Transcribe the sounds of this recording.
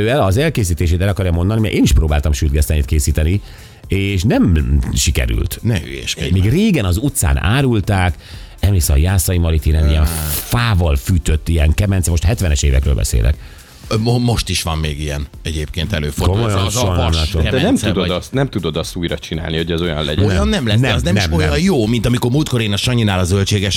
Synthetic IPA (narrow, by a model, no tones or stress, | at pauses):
øːɛlɒzɛlkeːs̬iːt̪eːʃeːt̪ɛlɒkɒrjɒmo̞nd̪ɒnimɛʔeːniʃproːbaːlt̪ɒmʃyd̪̚ɡɛst̪ɛniːt̪keːsiːt̪ɛni | eːʃnɛmʃikɛ̰ɾy̰lt̪nɛø̰ɛ̰ʃkmiːɡreːɡɛnɒzut̪sa̰ːna̰ːɾult̪aːk | ɛmiːsɛɒjaːsɒjimɒɾit̪iɾɛnijɛnfaːvɒlfyːt̪øt̪ːijɛŋkɛmɛnsɛmo̞ʃt̪hɛt̪vʋɛnɛʃeːvɛ̰kɾøːlbɛ̰sḛːlʔɛ̰k | omo̞ʃt̪iʃʋɒmːeːɡijɛn | ɛɟeːp̚keːnt̪ɛløːfokomojonɔmaod̪ɛnɛmud̪od̪st̪nɛmt̪ud̪o̞d̪ɒst̪uːjɾɒt͡ʃina̰ːlniho̞ɟɛzo̞jɒ̰nlɛ̰ɟjɒnːɛmlɛnɛznɛnmojɒjjoːmint̪ɒmiko̞ɾmult̪̚ko̞ɾeːnɒʃɒɲinaːlɒzølt͡ʃeːɡɛʃ